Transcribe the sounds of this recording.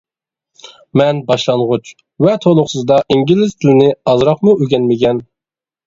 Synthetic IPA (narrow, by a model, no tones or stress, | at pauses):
mɛnbɑʃlˠɑnʁʊt͡ʃ | vɛt̪ʰolˠʊχsɨzd̪ɑʔiŋɡʲilɪst̪ʰɪlɪnɪɑzɾɑqmuʔyɡʲɛnmɪkʲʰɛn